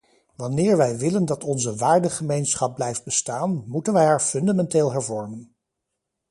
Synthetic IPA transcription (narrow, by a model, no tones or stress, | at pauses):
ʋɑnɪːɹʋɛjʋɪləndɑtɔnzəʋaːɹdəχəmejnsχɑb̚blɛjfd̚bəstaːnmutənʋɛjɦaːɹfɵndamɛnteːlˠɦɛɹvɔɹmən